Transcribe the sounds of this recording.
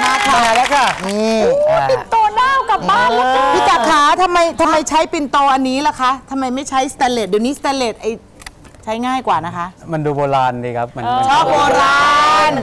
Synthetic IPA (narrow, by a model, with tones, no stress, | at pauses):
a˧˩kʰaa˧a˧lɛː˦˥ka˧˩i˧a˥i˨˧nt̪oː˧daː˥˩wka˨˩p̚baː˥˩nla˧pʰi˦˧˥t͡ɕaː˨˩kʰːaː˩˦t̪ʰa˧mːa˧jt̪ʰa˧mːa˧jt͡ɕʰa˦˥jpi˨˩nt̪oː˧ʔa˧nːiː˦˥la˦˥kʰa˦˥ʔt̪ʰa˧mːa˧jma˥˩jt͡ɕʰa˦˥jst̪ɛ˧le˨˩t̪̚diː˨˩wniː˦˥st̪ɛː˧leː˨˩t̪̚ʔa˧j | t͡ɕʰa˦˥jŋaː˥˩jkwaː˨˩na˦˥kʰa˦˥ʔma˧nduː˧boː˧laː˧ndiː˧˩kʰa˦˥p̚ma˧n˧t͡ɕʰɔː˥˩p̚boː˧ɾaː˧n